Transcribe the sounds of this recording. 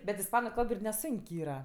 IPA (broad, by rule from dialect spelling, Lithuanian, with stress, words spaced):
bʲɛt ɪsˈpɑːnʊ ˈkɐlˠp ɪr nʲɛˈsʊŋʲkʲ ˈiːrɐ